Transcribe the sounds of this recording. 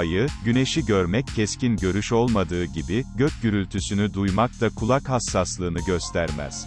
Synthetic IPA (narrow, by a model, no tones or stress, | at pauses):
ajɯɟyne̞ʃiɟøɾmɛcʰːɛscinɟø̞ɾyʃo̞lˠmad̪ɯːɟibiɟøcjyɾylʲt̪ʰysynyd̪ujmak̚t̪akʰulˠakhasːaslˠɯːnɯɟø̞st̪ʰæɾmɛ̰z̥